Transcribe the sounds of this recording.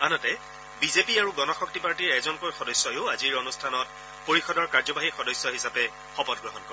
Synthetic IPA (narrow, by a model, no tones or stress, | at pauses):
anɔtɛ | bizepiaɹuɡɔnɔxɔk̚tipaɹtiɹɛzɔnkojxɔdɔjsjɔjʊʊaziɹonustʰanɔt̚ | poɹixɔdɔɹkaɹzɔbaɦixɔdɔsjɔɦisapɛ | xɔpɔt̚ɡɹɔɦɔnkɔɹɛ